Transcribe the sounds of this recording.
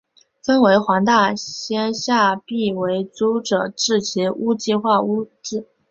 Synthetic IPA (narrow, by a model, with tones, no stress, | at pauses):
fə˥nwe˧˥ɪxwa˧˥ŋt̪a˥˩ɕjɛ˥nɕja˥˧pi˥˩we˧˥ɪt͡su˥ʈ͡ʂɤ˨˩ʈ͡ʂɻ̩˥˩t͡ɕʰi˧˥u˥t͡ɕi˥˧xwa˥˩u˥ʈ͡ʂ̩˥˩